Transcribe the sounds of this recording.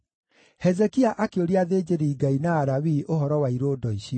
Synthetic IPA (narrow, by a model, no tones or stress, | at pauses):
hɛzɛkiaʔakeoɾiaðed͡ʑeɾiːɡainaːɾawiʔoɦɔɾɔwaiɾoːdɔiɕiɔ